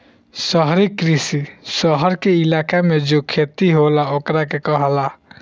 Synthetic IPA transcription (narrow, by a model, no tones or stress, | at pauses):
səɦɾikːɾisisəɦəɾkeilaːkamed͡ʒokʰet̪iɦolaokɾakekəɦla